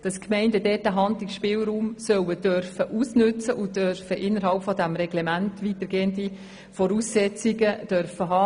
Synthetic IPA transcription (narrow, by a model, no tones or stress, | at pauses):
d̥ɑskʰmɛɪndədɛːtæɦɑnd̪lɪkʃpɪːwɾuːmsœwəd̥øɾfəʔusnɵt͡səʔʊøɾfəʔɪnːəɾɦɑlpfɔdæmɾɛɡ̥lemæntʋitəɾɡ̥eːəndi | fɔɾuːsːɛt͡siɡəd̥øɾfəɦɑː